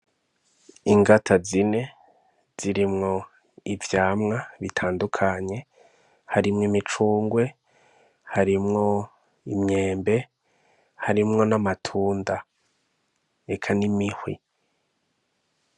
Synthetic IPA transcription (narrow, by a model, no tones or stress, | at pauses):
iŋɡatʰazine̞ | z̥iɾimŋo̞ | ivjaːmŋaβitʰaːndukʰaɲe̞ | haɾimŋimit͡ʃuːŋɡwe̞ | haɾimŋo̞ | imɲe̞ːmbe̞ | haɾimŋo̞namatʰuːnda | ekʰanimihwḭ